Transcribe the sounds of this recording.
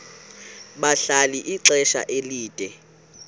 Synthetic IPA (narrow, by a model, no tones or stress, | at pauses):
ɓaɬaliʔiǀɛʃa̰ʔeliːd̥ʱʼɛ